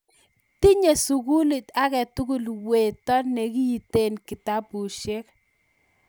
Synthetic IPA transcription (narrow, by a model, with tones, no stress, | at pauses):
t̪i˦ɲe˨su˨ɡu˦li˨t̪a˦kɛ˨t̪u˦ɡu˦lwe˨tɔ˦nɛ˨ki˦ji˨te˦nkɪ˨ta˦bu˨ʃe˦k